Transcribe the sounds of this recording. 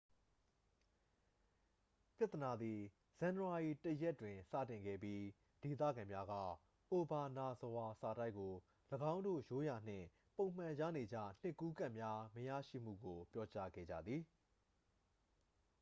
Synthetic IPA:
pja˦t̪ə˨na˨d̪i˨ | z̥ã˨n˨wa˨i˨tə˦jɛ˦tːwɪ̃˨sä̰˦˨tɪ̃˨ŋɡɛ̰˦˨pji˦ | d̥e˨t̪̬ä̰˦˨ɡã˨mja˦ɡa̰˦˨ | ʔo˨ba˨na˨zə˨wa˨sa˨da˦ɪkːo˨ | ləɡã˦ʊ̃ndo̰˦˨jo˦ja˨n̥ɪ̰̃˦˨ | põ˨ʊ̃m̥ã˨ja̰˦˨ne˨d͡ʑä̰˦˨n̥ɪ˦˨kːu˦ɡã˦˨ʔmja˦məjä̰˦˨ʃḭ˦˨m̥ṵ˦˨ɡo˨pjɔ˦t͡ɕa̰˦ɡɛ̰˦˨d͡ʑa̰˦˨d̪ði˨

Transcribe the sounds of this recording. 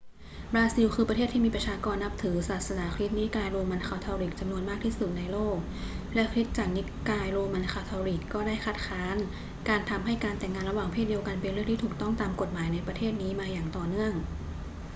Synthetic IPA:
bɾaː˧si˧wkʰɯː˧pɾa˧eː˥˩t̪ʰːiː˥miː˧pɾa˧t͡ɕʰaː˧kɔː˧nːa˦˥p̚t̪ʰɯː˩˦saː˨˩t̪̚sa˧naː˩˦kʰlɾi˦˥t̪̚niː˦˥kaː˧jɾoː˧ma˧nkʰaː˧wt̪ʰɔː˧ɾiː˨˩k̚t͡ɕa˧mnu˧ənmaː˥˩k̚t̪ʰiː˥˩su˨˩t̪̚na˧jloː˥˩k̚ | lɛ˦˥kʰɾi˦˥t̪̚t͡ɕaː˨˩k̚ni˦˥kaː˧jɾoː˧ma˧nkʰaː˧wt̪ʰɔː˧ɾiː˨˩kːɔː˥˩daː˥˩jkʰa˦˥t̪̚kʰaː˦˥n | kaː˧nt̪ʰa˧mɦa˥˩jkaː˧nt̪ɛ˨˩ŋːaː˧nɾa˧waː˨˩ŋpʰeː˥˩t̪̚di˧əwka˧npe˧nɾɯ˥˩əŋt̪ʰiː˥˩uː˨˩k̚t̪ɔ˥˩ŋt̪aː˧mko˨˩t̪̚maː˩˦jna˧jpɾa˧t̪ʰeː˥˩t̪̚niː˦˥maː˧jaː˨˩ŋt̪ɔː˨˩nɯ˥˩əŋ

